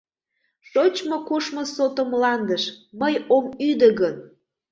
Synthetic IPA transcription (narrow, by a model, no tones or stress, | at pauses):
ʃot͡ɕmokoʃmosot̪omlɑnd̪əʃməjomyd̪əɣən